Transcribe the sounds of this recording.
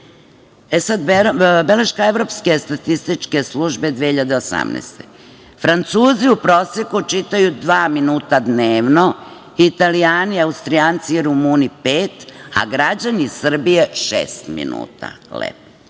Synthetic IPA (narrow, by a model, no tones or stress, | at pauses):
esad̪beleʃkaeʋɾo̞pske̞st̪at̪ist̪it͡ʃke̞sluʒbe̞d̪ʋehiʎad̪eosa̰mnḛːst̪ḛ | fɾant̪suːziupɾo̞sjekut͡ʃit̪ajud̪ʋaːminuːt̪ad̪neːʋno̞ | it̪alijaːniaust̪ɾijaːnt̪siiɾumuːnipeːt̪a̰ɡɾad͡ʑanisr̩bijeʃḛːst̪mḭnṵːt̪a̰ | lḛpo